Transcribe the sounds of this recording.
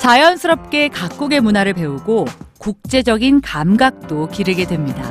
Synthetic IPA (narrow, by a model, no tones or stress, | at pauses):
t͡ɕajʌnsʰɯɾʌp̚k͈e̞kak͈uɡe̞munɦaɾɯɭpe̞uɡokuk̚t͡ɕ͈e̞d͡ʑʌɡinkamɡak̚t͈okiɾɯɡe̞dwe̞mɲida